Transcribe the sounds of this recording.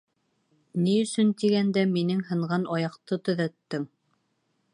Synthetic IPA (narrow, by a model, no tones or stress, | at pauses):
niɵ̆sɵnt̪iɡænd̪æminɘŋhɤ̆ɴɢɑnʔɒjɑqt̪ɤt̪ɵ̆ðæt̪ːɘŋ